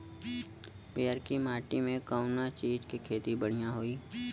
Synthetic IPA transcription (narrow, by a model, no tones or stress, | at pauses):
peːəɾkimaːʈimẽkəʊnat͡ʃiːd͡ʒkikʰeːt̪ibəɽ̤ijãɦoːiː